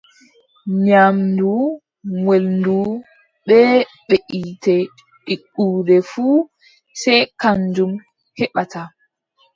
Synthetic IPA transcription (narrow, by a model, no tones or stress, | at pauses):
ɲamdu | ŋwelndu | ɓɛː | ɓeʔitɛ | ɗikːuːdɛfuː | sɛjkand͡ʒum | hɛɓatʰa